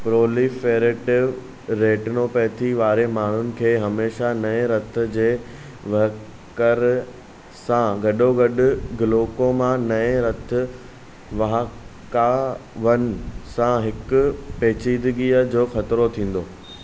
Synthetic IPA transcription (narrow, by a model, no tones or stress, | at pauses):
pɾoːlifeːɾeʈʋ | ɾeːʈɪnopɛːt̪ʰiʋaːɾemaːɳ̤ʊnɪ̆kʰeːɦɐmeːʃanɐẽɾɐt̪ʰɪ̆d͡ʑeː | ʋɐ | kəɾ | sãɡɐɗoɡɐɗʊ̆ɡɪloːkomãnɐẽɾɐt̪ʰɪ̆ | ʋɐɦkaʋɐnsãɦɪkʊ̆peːt͡ɕiːd̪ɪɡiːəd͡ʑoːxɐt̪ɪɾot̪ʰĩːn̆d̪oː